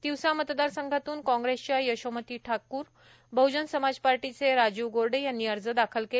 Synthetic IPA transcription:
d̪̥iwsamət̪d̪aɾsəŋɡʱat̪uːnkɔ̃ŋɡɾest͡ɕajəɕəmət̪iːʈʰakuːɾ | bəwd͡ʑənsəmad͡zpaɾʈit͡seɾad͡ʑuʋɡoɾɖejanːiːəɾd͡zəd̪akʰəlke

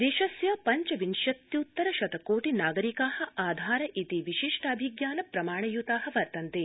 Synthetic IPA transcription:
d̪eːʃɐsjɐpɐɲt͡ʃɐʋinʃɐt̪jut̪ːɐɾɐʃɐt̪ɐkoːʈinaːɡɐɾikaːhɐ̆ʔaːd̪ʱaːɾɐʔit̪iʋiʃiʂʈɐɐbʱiɡjaːnɐpɾɐmaːɳɐjut̪aːɦɐ̆ʋɐɾt̪ɐnt̪eː

